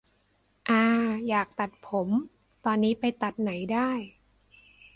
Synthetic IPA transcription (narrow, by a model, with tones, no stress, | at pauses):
ʔaː˧jaː˨˩k̚t̪a˨˩t̪̚pʰo˩˦m | t̪ɔː˧nːiː˦˥pa˧jt̪a˨˩t̪̚na˩˦jdaː˥˩j